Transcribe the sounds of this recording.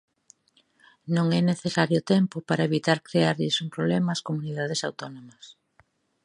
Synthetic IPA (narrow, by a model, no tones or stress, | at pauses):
nõŋɛneθesaɾjʊt̪ɛmpʊpaɾaeβit̪aɾkɾeaɾðisumpɾoβlɛmɐskomuniðaðesawt̪onomɐs